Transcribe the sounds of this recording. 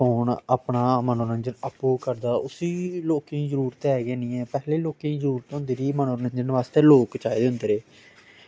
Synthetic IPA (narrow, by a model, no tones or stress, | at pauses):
pʰoːnaːpnaːmənoːɾəɲd͡ʒənəpːuːkəɾd̪aːʊsiːloːkẽːzəɾuːɾt̪ɛːɡɛːnĩːɛ̃ːpɛːleːloːkẽːzəɾuːɾt̪õnd̪eːɾiːmənoːɾəɲd͡ʒənʋaːst̪eːloːkt͡ʃaːid̪ʊ̃nd̪eːɾeː